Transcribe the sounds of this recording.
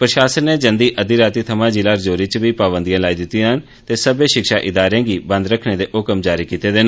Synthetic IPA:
pɾəʃaːsənːeːd͡ʒənd̪iːʔəd̪iːɾaːt̪iːt̪ʰəmãːd͡ʒɪlaːɾd͡ʒoːɾiːt͡ʃbiːpaːbənd̪ijãːlaːiːd̪ɪt̪ːĩɦən | t̪eːsəbeːʃɪkʃaːʔɪd̪aːɾeãːɡiːbə̃nd̪ɾəkʰneːd̪eːʔʊkəmd͡ʒaːɾiːkiːt̪eːd̪eːn

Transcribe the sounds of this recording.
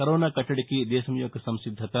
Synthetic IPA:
kɐɾoːnakɐʈɐɽkid̪eːsɐmjoːɡsɐ̃msɪd̪ʱːɐt̪a

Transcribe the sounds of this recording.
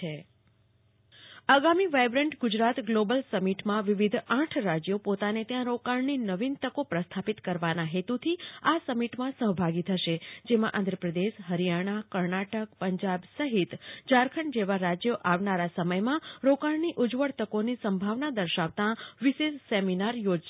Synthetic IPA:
e | aɡamiʋajbɾə̃ɳʈɡʊd͡ʒɾat̪ɡlobəlsəmiʈmãʋiʋid̪ʱãʈʰɾad͡ʒjopot̪anet̪jãɾokaɭninəʋint̪əkopɾəst̪ʰapit̪kəɾʋanaɦet̪ut̪ʰiasəmiʈmãsəɦbʱaɡit̪ʰəʃed͡ʒemãʔãnd̪ʱɾəpɾəd̪eʃɦəɾijaɽ̃akəɾɳaʈək̚pəɲd͡ʒabsəɦit̪d͡ʒaɾkʰəɳd͡ʒeʋaɾad͡ʒjoʔaʋnaɾasəməjmãɾokaɭniʔʊd͡ʒʋəɽt̪əkonisəmbʱaʋnad̪əɾʃaʋt̪ãʋiʃesseminaɾjod͡ʒ

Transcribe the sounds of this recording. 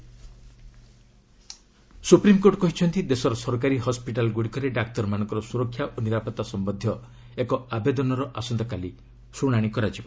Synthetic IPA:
supɾimkoʈkɔɦit͡ʃʰɔnt̪id̪esɔɾɔsɔɾk̬aɾiɦɔspiʈalɡuɽikɔɾeɖak̚t̪ɔɾmanɔ̃ŋkɔɾɔsuɾɔkʰjaʔoniɾapɔt̪ːasɔmbɔd̪ʱːjɔ | ekɔabed̪ɔnɔɾɔʔasɔnd̪ɔkali | suɽ̃aɽ̃ikɔɾad͡ʒibɔ

